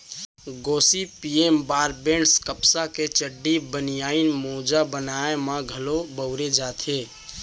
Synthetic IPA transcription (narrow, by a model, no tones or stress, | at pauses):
ɡoːsipieːmbaːɾbẽɳɖskəpsaket͡ʃəɖːibənijaːinmoːd͡ʒabənaːemãɡʱəlobəʊɾed͡ʒaːt̪ʰɦeː